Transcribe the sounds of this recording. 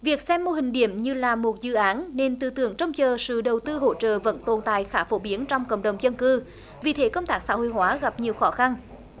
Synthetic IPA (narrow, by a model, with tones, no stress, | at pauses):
vi˨˩ək̚sɛ˧mːo˧hï˨˩ŋ̟ɗḭ˧˩əmɲɨ˧laː˨˩mo˨˩t̚zɨ̰˧˨ʔaː˨˦nne˧nt̪ɨ˧˨t̪ɨ˧˩˦əŋt͡ɕə˧wŋ͡mt͡ɕəː˨˩sɨ̰˧˨ɗə˨˩wt̪ɨ˧ɦo̰˧˨t͡ɕə̰ː˧˨və̰˧˥nt̪o˨˩nt̪a̰ː˧˨jxaː˧˩fo˧˩ɓi˨˦ənt͡ɕɔ˧wŋ͡mkə̰˧˨wŋ͡mɗə˨˩wŋ͡mzə˧nkɨ˧ | vi˨˩t̪ʰe˨˦kə˧wŋ͡mt̪aː˦˥k̚sa̰˧˥ɦo̰˧˨jɦwaː˨˦ɣa˨˩p̚ɲi˨˩əwxɔ˨˦xa˧n